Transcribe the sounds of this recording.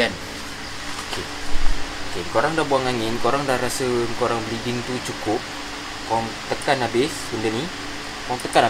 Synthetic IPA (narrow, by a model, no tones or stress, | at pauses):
an | okʰe | okekoɾaŋdabuaŋaŋɪnkoɾaŋdaɾasəŋkoɾaŋbəliɡint̪ut͡ʃukʊp̚ | kɔm | t̪əkanabɪs | undəni | kɔmt̪əkana